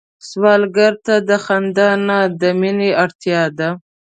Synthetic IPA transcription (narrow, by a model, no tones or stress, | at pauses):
swɑlɡaɾt̪ad̪əxand̪ɑnad̪əmineaɽt̪jɑd̪a